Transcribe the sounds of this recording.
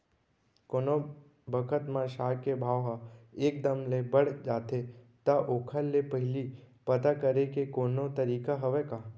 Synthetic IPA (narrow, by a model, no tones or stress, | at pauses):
koːno | bəkʰət̪mãʃakebʱaːʋɦaeːk̚d̪əmlebəɽd͡ʒaːt̪e | t̪aʔoːkʰəlːepəɦɪlipət̪akəɾekekoːnot̪əɾiːkaɦəʋeka